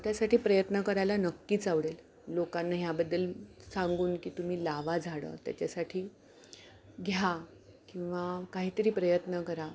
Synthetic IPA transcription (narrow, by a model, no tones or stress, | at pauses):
t̪jasaʈʰiːpɾəjət̪nəkəɾajlanəkːiːt͡saʋɽel | lokanːaɦjabəd̪ːəlsãŋɡuːnkiːt̪um̤iːlaʋad͡zʱaɽə̰t̪ja̰t͡ɕasaʈʰiː | ɡʱja | kĩw̃ʋakaɦiːt̪əɾiːpɾəjət̪nəkəɾa